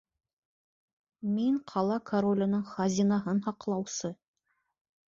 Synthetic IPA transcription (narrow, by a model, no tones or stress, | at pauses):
miɴqʰɑlˠɑkʰɐɾolʲɪ̆nɤɴχɑzʲinɑɦɤnhɑqlˠɑwsɤ